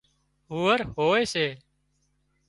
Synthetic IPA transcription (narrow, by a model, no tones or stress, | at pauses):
ɦuːəɾɦoːʋeːseː